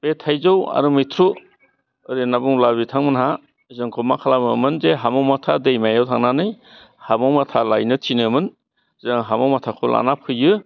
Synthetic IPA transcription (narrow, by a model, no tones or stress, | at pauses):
b̥etʰajzowa̰ɾɯmitʰɾu | ɯɾenabuŋlabitʰaŋmɯnɦa | zɯŋkʰɔmakʰalamɯmɯnzeɦamawmatʰadejmajawtʰaŋnanɯj | hamawmatʰalajnɯtʰinɯmɯn | zɯŋɦamawmatʰakʰɔlʔa̰napʰɯjɯ